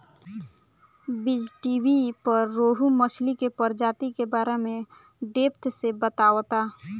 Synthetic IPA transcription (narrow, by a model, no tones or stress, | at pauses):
bɪd͡ʒʈibipəɾːoːɦuməslikepəɾd͡ʒaːt̪ikebaːɾemẽ | ɖeːpt̪sebət̪aːwt̪aː